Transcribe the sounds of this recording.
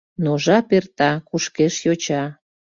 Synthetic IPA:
noʒɑpert̪ɑkuʃkeʃjot͡ɕɑ

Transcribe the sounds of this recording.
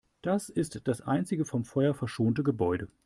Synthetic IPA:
d̥asɪstd̥asʔa̰ɪnt͡sɪɡəfɔmfɔʏɐfɛɐʃoːntəɡəbɔʏdə

